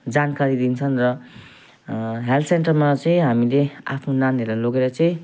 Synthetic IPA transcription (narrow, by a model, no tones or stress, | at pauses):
d͡zankaɾid̪int͡sʰʌnrʌ | ɦelsenʈʌrmat͡sʌĩɦamilea̰pʰnonaneɾlaloɡeɾʌt͡sʌĩ